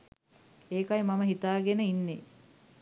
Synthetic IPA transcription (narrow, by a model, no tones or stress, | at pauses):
eːkajmaməɦit̪aːɡenəinːe